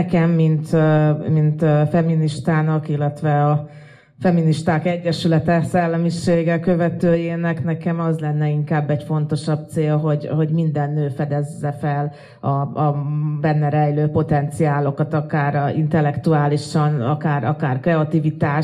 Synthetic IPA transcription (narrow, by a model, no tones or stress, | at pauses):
kɛmːint̪mint̪øfɛminiʃt̪aːnɒkilːɛt̪ʋɛɒ | fɛminiʃt̪aːkɛɟːɛʃylɛt̪ɛsɛlːɛmiʃeːɡɛkø̞vɛt̪øːjeːnɛknɛkɛmɒzlɛnːɛiŋkaːbːɛɟfo̞n̪t̪o̞ʃɒb̚t̪seːlɦo̞ɟho̞ɟmind̪ɛnːøːfɛd̪ɛzːɛfɛl | ɒɒbɛnːɛɾɛjløːpo̞t̪ɛnt̪siaːlo̞kɒt̪ɒkaːɾḭnt̪ɛlːɛkt̪uaːliʃɒnɒkaːɾɒkaːrkɾɛɒt̪ivit̪aːʃ